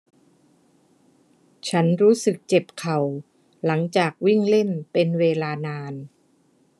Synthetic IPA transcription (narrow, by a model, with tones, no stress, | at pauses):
t͡ɕʰa˦˥nɾuː˦˥sɯ˨˩k̚t͡ɕe˨˩p̚kʰa˨˩w | la˩˦ŋt͡ɕaː˨˩k̚wi˥˩ŋle˥˩npe˧nweː˧laː˧naː˧n